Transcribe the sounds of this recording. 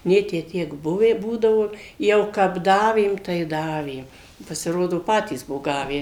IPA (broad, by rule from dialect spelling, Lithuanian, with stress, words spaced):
ˈnʲeː tʲæː ˈtʲiɛk ˈbʊʋʲæː ˈbuːdɐʋoː ˈjɛʊ kɐp ˈdɑːʋʲeːm tɐɪ ˈdɑːʋʲeːm pɐsʲɪˈroːdoː ˈpɑːtʲiːs ˈbʊʋoː ˈɡɑːʋʲæː